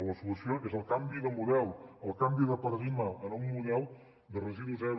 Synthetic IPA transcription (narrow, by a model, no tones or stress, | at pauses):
ləsulusioʔezəlˠkambiðəmulɛwəlˠkambiðəpəɾəðiməənuŋmuʎɛw | d̪ərəziðuzɛɾ